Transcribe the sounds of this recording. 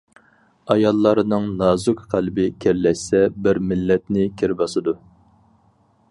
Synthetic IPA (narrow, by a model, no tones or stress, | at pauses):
ɑjɑlˠːɑɾɨnɨŋnɑːzukqʰælbɪkʲʰɛɾlɛʃsɛbɪɾmɪlːɛt̪nɪkʲʰeɾbɑsɨd̪u